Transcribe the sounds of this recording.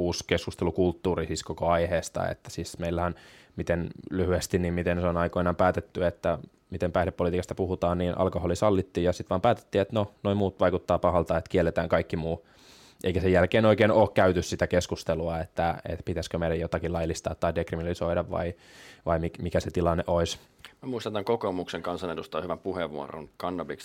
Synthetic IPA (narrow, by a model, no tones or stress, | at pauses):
uːskeskust̪elukult̪ːuːrisiskokoɑiheːst̪ɑ̰ḛt̪ːæ̥sismeilːæhæn | mit̪enlyhyest̪innimmit̪enseonɑikoinɑːmpæːt̪et̪ːyet̪ːæ | mit̪empæihlepːolit̪iːkɑst̪æ̥puhut̪ɑːnniːnʔɑ̰lkoholisɑlːit̪ːiːjɑsit̪ʋɑːmpæːt̪e̥t̪ːiːet̪nonoimuːt̪ʋɑikut̪ːɑːpɑhɑlt̪ɑet̪kielːet̪æːŋkɑikːimuː | ʔeikæsejælkeːnoikeːnoːkkæyt̪yssit̪ækeskust̪eluɑet̪ːæḛt̪pit̪æskømeiɾæjot̪ɑkilɑilist̪ɑ̰ːt̪t̪ːɑidekriminɑlisoiɾɑʋʋɑ̰i | ʋɑimikmikæset̪ilɑnːeʔoismæmuist̪ɑnt̪æŋkokomukseŋkɑnsɑnedust̪ɑohyʋæmpuheʋːṵo̰ro̰nkɑnːɑbiks